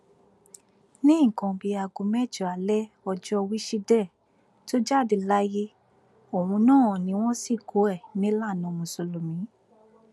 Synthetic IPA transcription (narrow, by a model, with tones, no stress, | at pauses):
nĩ˦˨kã˧bi˧a˧ɡu˨˧˦mɛ˦˨d͡ʒɔ˨a˨lɛ˦ | ɔ˧d͡ʒɔ˦˧wi˦ʃi˧dɛ˦˨ | to˦d͡ʒa˦˨di˨la˦je˦ | o˨wũ˧nãː˦˨nĩ˨˦w̃ɔ̃˦si˦˨ɡo˨˦ɛ˦˨nĩ˦la˦˨nã˧˨˧mũ˨so˧lo˨mĩ˨˦